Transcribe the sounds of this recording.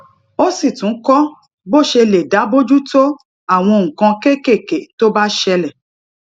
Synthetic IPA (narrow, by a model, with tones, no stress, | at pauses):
o˦si˦˨tũ˨˦kɔ˦ | bo˦˨ʃe˧le˨da˨˦bo˦d͡ʒu˦to˦ | a˦˨w̃ɔ̃˧ŋ̩̃˨kã˧ke˦ke˦˨ke˨to˦ba˦ʃɛ˧lɛ˨